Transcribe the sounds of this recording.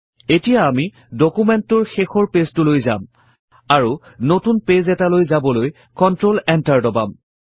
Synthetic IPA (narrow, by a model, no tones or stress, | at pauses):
etijaːmi | dokumɛntʊɹxexɔɹpestʊlojza̰m | aɹu | notunpezɛtalojzabɔloj | kɔntɹolɛntaɹdɔba̰m